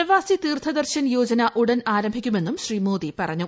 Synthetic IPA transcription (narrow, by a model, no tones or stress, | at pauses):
ɐʋaːsit̪iːrt̪ʰɐd̪ɐrɕɐnjo̞ːd͡ʑɐnɐʔuɽɐnaːɾɐmbʱikʲːume̞nːumɕriːmo̞ːðipɐrɐɲːu